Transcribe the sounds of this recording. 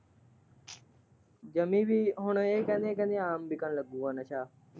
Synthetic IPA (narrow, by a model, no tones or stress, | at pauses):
d͡ʒəmĩːbiːɦʊɳeːkə̃nẽːkə̃nẽaːmbikəɳləɡũːʋənət͡ʃʰaː